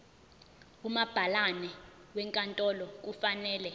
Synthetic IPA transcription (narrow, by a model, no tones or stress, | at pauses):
umab̥ʱalanɛ | wɛŋkʼantʼɔlɔk̬ʼufanɛːlɛ